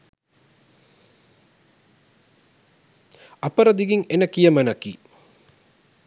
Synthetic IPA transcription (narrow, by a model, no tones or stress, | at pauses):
ɐpɐɾɐd̪iɡiŋenɐkijɐmɐnɐkḭ